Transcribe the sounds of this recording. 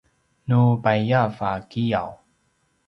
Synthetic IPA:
nubajjafakija̰w

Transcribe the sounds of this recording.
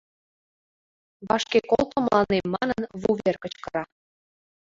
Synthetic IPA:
βɑʃkekolˠt̪ə̆mlʔɑnemːɑnənβuβerkə̆t͡ɕkɤɾɑ

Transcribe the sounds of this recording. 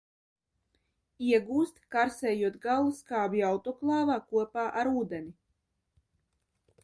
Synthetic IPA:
iɛɡuːst̪kaɾsɛːjuɔt̪ɡalˠuskaːbiawt̪ɔklˠɑːvaːkuɔpaːʔaɾuːd̪enʲi

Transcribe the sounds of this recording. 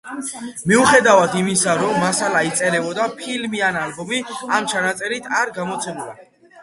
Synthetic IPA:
miuχɛd̪avad̪imisaɾɔmːasalait̪sʼɛɾɛbɔd̪apʰilmianalbɔmiamt͡ʃʰanat̪sʼɛɾit̪ʰaɾɡamɔt̪sʰɛmula̰

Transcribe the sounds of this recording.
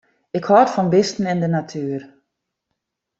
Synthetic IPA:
ɪkhɔətfɔnbɪstn̩ɪndənatʰyːər

